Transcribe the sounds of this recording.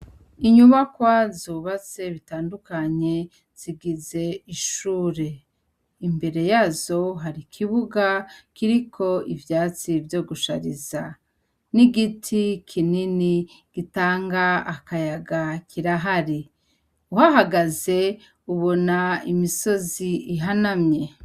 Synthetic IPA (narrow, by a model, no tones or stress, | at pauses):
iɲuβakwazuːβat͡se̞βitaːndukaɲe̞ | z̥iɡize̞iʃuːɾe̞ | imbe̞ɾe̞jaːzo̞ɦaɾikʰiβuɡakiɾikʰo̞ivjaːt͡sivjo̞ːɡuʃa̰ɾiza | niɡitʰikʰinini | ɡ̥itaːŋɡaːkajaɡakʰiɾaɦaɾi | uhaɦaɡaze̞ | uβo̞naimiso̞ziiɦanamɲe̞